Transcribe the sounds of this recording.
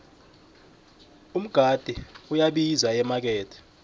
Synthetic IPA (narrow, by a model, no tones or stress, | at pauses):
um̩ɡ̥ʱad̥ʱiujaɓizaɛmak̬ɛːtʰʼɛ̥